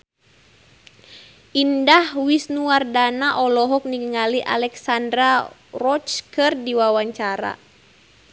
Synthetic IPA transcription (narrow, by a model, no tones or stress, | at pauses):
indahwisnuardanaʔɔlɔɦɔk̚niɡəŋaliʔa̰lɛksandɾa | rɔt͡ʃkɨrdiwawaɲt͡ʃaɾa̰